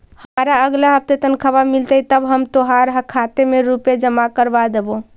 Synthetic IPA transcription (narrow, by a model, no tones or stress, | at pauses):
həmaɾaəɡlaɦəp̚t̪et̪ənkʰəbamilt̪əit̪əbɦəmt̪oɦaɾɦəkʰat̪emeɾuped͡ʒəmakəɾbad̪ebo